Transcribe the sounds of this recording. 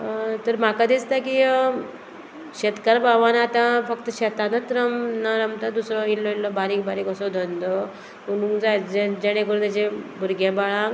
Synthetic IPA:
t̪əɾmakad̪ist̪aki | ɕet̪kaɾbʱaʋanaːt̪ãfəkt̪əɕet̪anət̪ɾəmnaɾamt̪ad̪usɾɔilːɔilːɔbaɾikbaɾiːkɔsɔd̪ʱənd̪ɔ | kunũŋɡd͡zajd͡zed͡ʑeɽ̃ekuɾut̪jat͡ɕebʱuɾɡabaɭã

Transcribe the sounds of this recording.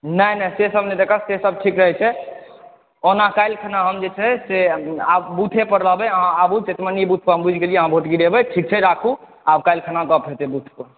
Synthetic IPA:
nəjnəsesəbned̪ekʰəsesəb̚ʈʰikɾəɦɛt͡ʃʰɛ | onakajlkʰanaɦəmd͡ʒet͡ʃʰɛseabbut̪ʰepəɾləɦbɛəɦãabut͡ʃet̪maniibut̪ʰpəɾɦəmbʱud͡ʒʱɡelijɛəɦãbʱoʈɡiɾebɛʈʰik̚t͡ʃʰɛɾakʰu | abkajlkʰanakəpɦet̪ebut̪ʰpəɾ

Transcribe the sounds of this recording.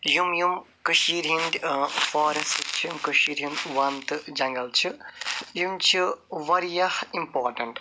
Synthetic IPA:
jumjum | kɨʃiɾɦind̪ʲfoːɾest̪t͡ʃʰimkɨʃiːɾjimʋɐnt̪ɨd͡ʒɐŋɡɐlt͡ʃʰijumt͡ʃʰiʋɐɾijɐhimpoːɾʈɐɳʈ

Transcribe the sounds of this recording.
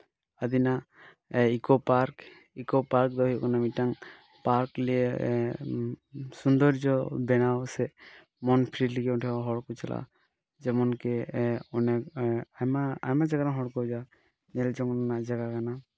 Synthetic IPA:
ad̪ina | ikɔpaɾk | ikɔpaɾk̚d̪ɔɦijkɔnamitaŋ | paɾkliɛ | sund̪ɔɾd͡ʒɔbɛnawsɛ | mɔnpʰɾiliɡɛuʈʰɛɦɔɽkɔt͡ʃɛlʔa̰ | d͡ʒɛmɔnkɛɔnɛkmaa̰jmad͡ʒaɡaɾaŋɦɔɽkɔd͡ʒa | nɛld͡ʒɔŋnɔnaʔd͡ʒaɡakana

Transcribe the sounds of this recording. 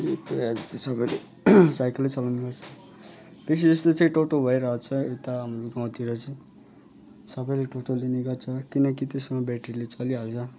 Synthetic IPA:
et̪oad͡zʌst̪ʌsʌbʌjle | sajkʌlːet͡sʌlawneɡʌrt͡sʰʌ | p̪es̬id͡zʌst̪ot͡sʌ̃ĩʈoʈobʱʌeɾʌɦot͡sʰʌet̪amuɡãw̃t̪iɾʌt͡sʌĩ | sʌbʌjleʈoʈoliniɡʌrt͡sʰʌkinʌkit̪esmabaʈirlet͡sʌliɦalt͡sʰʌ

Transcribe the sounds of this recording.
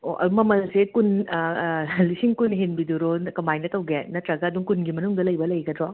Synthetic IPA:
o̰ʔɐ̰mɐmɐlsekun | lisiŋkunɦinbiduɾonɐkɐmajnɐtɐwɡenɐtɾɐɡɐːduŋkunɡimɐnuŋdɐlɐjbɐlɐjɡɐdɾɔ

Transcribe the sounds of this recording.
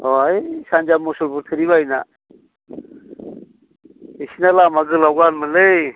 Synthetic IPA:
ɔjsand͡ʒamɔsulbuɾt̪ʰɯɾiβajna̰ | isinalamaɡɯlawɡanməlej

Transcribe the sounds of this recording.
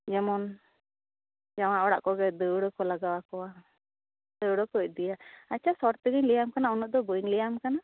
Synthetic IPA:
d͡ʒɛmɔn | d͡ʒaw̃aʔɔɽa̰ʔkɔɡɛd̪əwɽɔkɔlaɡawakɔwa | d̪̥əwɽɔkɔc̚ˀd̪ijaat͡ʃʰasɔɽt̪ɛɡəɲlijamkanaɔnɔʔ̚d̪ɔbəɲlijamkana

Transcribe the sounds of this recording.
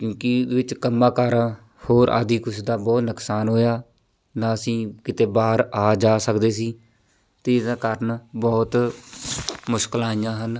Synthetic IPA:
kjõːkɪd̪ʋɪt͡ʃkəmːãːkəɾ | hoːɾʔa̰ːd̪iːkʊsd̪aːbɔːt̪nəksaːnɦoːjaː | d̪ãːəsĩːkɪt̪eːbaːɦəɾaːd͡ʒaːsəkd̪eːsiː | t̪eːd̪aːkəɾnbɔːt̪ | mʊʃkəlaːijãːɦən

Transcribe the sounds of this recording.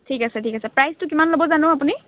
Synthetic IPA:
tʰikasɛtʰikasɛpɹajstʊkimanlobɔzanʊ̃apuni

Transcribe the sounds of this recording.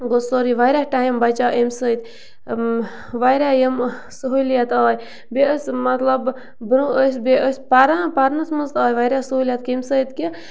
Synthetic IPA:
ɡosoɾiʋajɾʲahʈaːjmbɐt͡ʃaːʔemsət̪ | ʋajɾʲajəm | səɦuljɐt̪aːj | beəsʲmɐt̪lɐb | bɾuəs̬ʲbeʔəsʲpaɾapaɾnɐsmɨzt̪aːjʋajɾʲasəɦuljɐt̪kʲemsəjt̪ki

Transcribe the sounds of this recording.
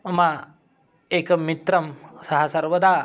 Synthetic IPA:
ma | ekəmit̪ɾɐmsɐɦasɐɾʋəd̪ʱa

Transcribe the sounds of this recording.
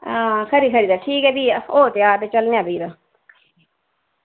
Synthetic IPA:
ãːkʰəɾiːkʰəɾiːd̪aːʈʰiːkɛːbiːoːt̪jaːɾt̪eːt͡ʃəlnejaːbiːd̪aː

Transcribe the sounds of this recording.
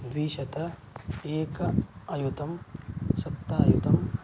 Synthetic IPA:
d̪ʋiːʃɐt̪ɐ | eːkɐɐjut̪ɐmsɐpt̪ːaːjut̪ɐm

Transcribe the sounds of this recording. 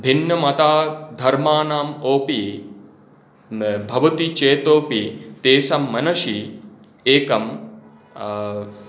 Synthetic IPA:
bʱinːɐmɐt̪aːd̪ʱɐɾmaːnaːmoːpi | bʱɐʋɐt̪it͡ʃeːt̪oːpit̪eːsɐmːɐnɐʃi | eːkɐm

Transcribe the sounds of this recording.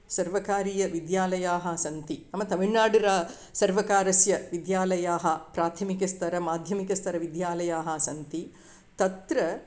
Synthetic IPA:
sɐɾʋɐkaːɾijɐʋid̪jaːlɐjaːɦɐsɐnt̪inɐmːɐt̪ɐʋiɳːaːɽiɾaː | sɐɾʋɐkaːɾɐsjɐʋid̪jaːlɐjaːɦɐpɾaːt̪ʰɐmikɐst̪ʰɐɾɐmaːd̪ʱjɐmikɐst̪ʰɐɾɐʋid̪jaːlɐjaːɦɐsɐnt̪i | t̪ɐt̪ɾɐ

